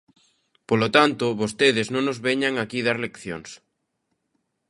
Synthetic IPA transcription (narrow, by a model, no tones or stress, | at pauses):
polot̪ant̪ʊβost̪eðɪznõŋnozβeɲaŋakiðaɾlekθjo̰ŋs